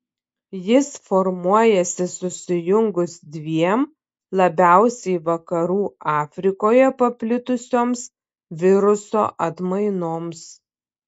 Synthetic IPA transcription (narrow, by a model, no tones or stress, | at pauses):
jɪsfɔɾmuɔjɛsʲɪsʊsʲɪjʊŋɡʊsd̪ʲʋʲiɛm | lˠɐbʲæˑʊsʲɛɪʋɐkɐɾuːɑːfʲɾʲɪkoːjɛpɐpʲlʲɪt̪ʊsʲoːms | ʋʲɪɾʊso̰ːʔɐt̪mɐɪnoːms